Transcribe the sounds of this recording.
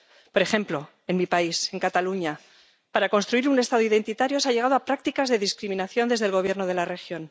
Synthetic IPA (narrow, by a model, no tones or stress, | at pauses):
po̞ɾe̞xe̞mplo̞ | e̞nmipaise̞ŋkat̪aluɲa | paɾako̞nst̪ɾuiɾunest̪aðo̞iðe̞nt̪it̪aɾjo̞saʎe̞ɣað̞oapɾak̚t̪ikazðe̞ðiskɾimĩnaθjo̞nd̪eðelɣ̞o̞β̞je̞ɾnoð̞e̞lare̞xjo̞n